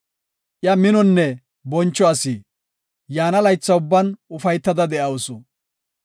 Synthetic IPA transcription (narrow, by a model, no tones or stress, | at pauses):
ʔjɐmɪnɔnːɛ | bɔnt͡ʃːɔɐsiː | jaːnɐlɐjt͡sːɐʊbːɐnʊfɐjt̪ːɐd̪ɐd̪ɛʔɐwsɔ